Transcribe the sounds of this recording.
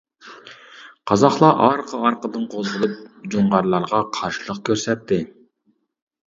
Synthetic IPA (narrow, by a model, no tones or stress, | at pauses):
qʰɑzɑχlˠɑʔɑɾqʰəɑɾqəd̪ɨnqʰozʁəlˠɨp̚d͡ʒoɴʁɑɾlˠɑɾʁɑqʰɑɾʃilˠəq̚kʲʰøɾsɛt̪ːɪ